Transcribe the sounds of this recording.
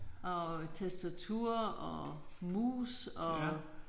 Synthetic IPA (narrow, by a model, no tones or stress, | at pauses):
ʔɒt͡sʰesd̥æt͡sʰuɐ̰ɒmṵːsɒ